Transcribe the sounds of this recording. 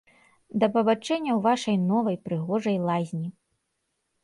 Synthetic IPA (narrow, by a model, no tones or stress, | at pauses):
d̪ɐpɐbat͡ʂɛnʲːɐwvaʂɐjnɔvɐjpɾɨɣɔʐɐjlˠazʲnʲi